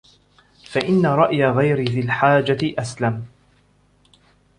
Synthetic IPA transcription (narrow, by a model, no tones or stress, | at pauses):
faʔɪnːaɾˤɑʔjaɣajɾɪðɪlħaːd͡ʒaʔaslam